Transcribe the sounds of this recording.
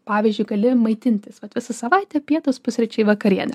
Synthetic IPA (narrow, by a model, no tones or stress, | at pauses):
pɑːʋʲizʲd͡ʒʲʊɪɡɐlʲɪmɐɪt̪ʲɪnʲt̪ʲɪsʋɐt̪ʋʲɪsɐsɐʋɐɪt̪ʲɛpʲiɛt̪ospʊsʲɾʲɛt͡ʃʲɛɪʋɐkɐɾʲiɛnʲɛ